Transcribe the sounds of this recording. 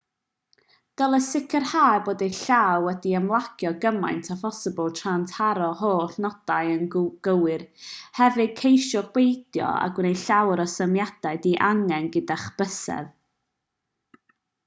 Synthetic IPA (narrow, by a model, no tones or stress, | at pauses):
d̥əlˠəsɪkʰərhaːboːdejɬawɛdiəmlˠaɡ̥jɔɡəmajntʰafɔsəblˠtʰrantʰaɾɔhoːɬnɔd̥ajənɡ̥əwɨrhɛvɨ̥kʰejʃɔχwejd̥jɔ̰a̰ɡwnejɬawɾɔsəmjad̥aɨdiʔaŋɛnɡədaχb̥əsɛ̰ð